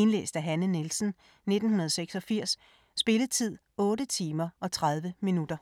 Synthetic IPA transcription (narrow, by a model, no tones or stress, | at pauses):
e̝nlḛːsd̥æɦænənelsn̩ | ne̝d̥n̩hunɐð̞ˠseɡ̥sɒ̽fiɐ̰sː | b̥e̝ləð̩ˠt͡sʰið̞̰ˠ | ɔ̽ːɾət͡sʰiːmɐʔɒ̽t͡sʰʁað̞ˠʋəminud̥ɐ